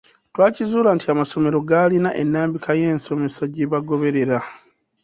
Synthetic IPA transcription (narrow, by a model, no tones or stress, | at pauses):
twaːcizuːlantiamaso̞me̞ɾo̞ɡalinaʔenːaːmbikʰaje̞ːnso̞me̞saɟeβaɡo̞βe̞ɾe̞ɾa